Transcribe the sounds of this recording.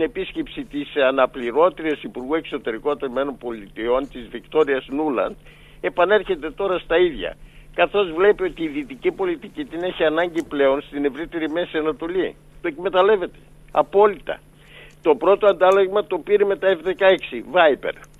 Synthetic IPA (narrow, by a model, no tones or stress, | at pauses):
ine̞pisce̞psit̪isɐnɐpliɾo̞t̪iɾesipuɾɣue̞kso̞t̪e̞ɾikot̪ome̞no̞mpo̞lit̪io̞nt̪izvikt̪o̞ɾiɐsnulɐ̰nd̪ | e̞pɐne̞ɾçe̞t̪e̞t̪o̞ɾɐst̪ɐiðʝɐ̰kɐθo̞zvle̞pio̞t̪iːðit̪icipo̞lit̪icit̪ine̞çiɐnɐɲɟiple̞o̞nst̪ine̞vɾit̪e̞ɾime̞sɐnɐt̪o̞li | t̪o̞ekme̞t̪ɐle̞ve̞t̪e̞̥ | ɐ̰po̞lit̪ɐ̰ | t̪o̞pɾo̞t̪oɐnd̪ɐlɐɣmɐt̪o̞piɾeme̞t̪ɐefðe̞kɐe̞ksivɐipe̞̰ɾ